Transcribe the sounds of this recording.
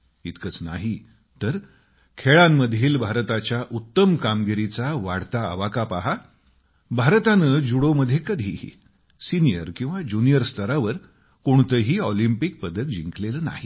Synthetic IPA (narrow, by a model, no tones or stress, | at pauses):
it̪kət͡sna̰ɦi | t̪əɾ | kʰeɭamːəd̪ʱiːlbʱaɾt̪at͡ɕjaʔut̪ːəmkamɡiɾit͡saʋaɽt̪a̰ːʋakapaɦa | bʱaɾt̪anəːd͡ʑuɽoməd̪ʱjekəd̪ʱḭːḭ | sinijəɾkĩw̃ʋad͡ʑunijəɾst̪əɾaʋəɾ | koɳt̪əɦiːɔlimpik̚pəd̪ək̚d͡ʑiŋkleləːna̰ɦi